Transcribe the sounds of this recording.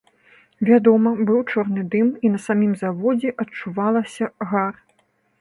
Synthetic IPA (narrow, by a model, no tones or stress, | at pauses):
vʲad̪ɔmɐbɨwt͡ʂɔrnɨd̪ɨminɐsamʲimzavɔd͡zʲɛʔɐtt͡ʂuvalˠɐsʲɐɣar